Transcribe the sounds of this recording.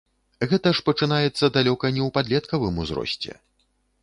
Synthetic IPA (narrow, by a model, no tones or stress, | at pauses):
ɣɛt̪ɐʂpɐt͡ʂɨnajɛt̪sːɐd̪alʲɔkɐnʲɛwpad̪lʲɛt̪kɐvɨmuzɾɔ̰sʲt͡sʲɛ̰